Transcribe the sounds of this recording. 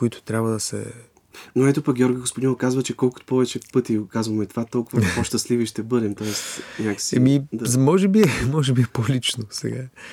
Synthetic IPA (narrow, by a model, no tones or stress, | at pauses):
kʊit̪ʊ̥t̪ɾʲabvɐd̪ɐsɛ̰ | noɛt̪opɐk̚ɡʲjɔɾɡoɡospʊd̪inkazvət͡ʃɛkɔlˠkʊ̥t̪pɔvɛt͡ʃɛpɤt̪ikazvɐmɛt̪o̥vat̪ɔlˠkʊvəpoʃt̪ɐsliviʃt̪ɛbɤd̪ɛmt̪ɔɛst̪ɲʲakə̥siɛmid̪azmɔʒɛbiɛmɔʒɛbiɛpolit͡ʃnosɛ̰ɡa